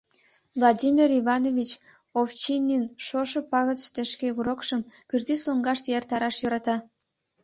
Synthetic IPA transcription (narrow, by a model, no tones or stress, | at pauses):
vlˠɑdʲimʲiriβɑnovʲit͡ɕ | oft͡ɕinʲːinʃoʃəpɑɣət̪ʃt̪eʃkeuɾokʃəmpyrt̪isloŋɡɑʃt̪jert̪ɑɾɑʃjøɾɑt̪ɑ